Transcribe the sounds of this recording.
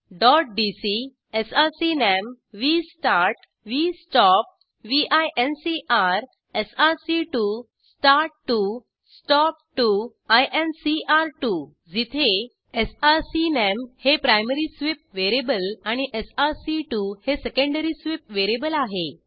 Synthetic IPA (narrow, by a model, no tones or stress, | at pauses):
ɖɔʈ̚ɖisi | esasinem | ʋisʈaɾʈ | ʋisʈɔp̚ | ʋiʔajʔensiʔaɾ | esasiʈu | sʈaɾʈʈːu | sʈɔp̚ʈu | ajʔensiaɾʈu | d͡zit̪ʰe | esasinemhepɾajməɾisʋip̚ʋeɾebəlaɽ̃iʔesasiʈuhesekə̃ɳɖəɾisʋip̚ʋeɾebəlaɦe